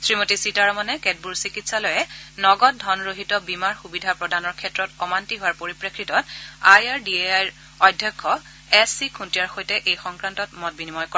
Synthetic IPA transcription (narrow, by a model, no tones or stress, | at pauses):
sɹimotisitaɹɔmɔnɛkɛt̚buɹsikitsalɔjɛnɔɡɔt̚dʱɔnɹoɦitɔbimaɹxubidʱapɹɔdʱanɔɹkʰɛtɹɔtɔmantiɦʊwaɹpoɹipɹekɹitɔtajaɹdieajɹ | ɔdʱjɔkʰːɔ | ɛsːikʰuntiaɹxojtɛʔejxɔŋkɹantɔt̚mɔt̚binimɔjkɔ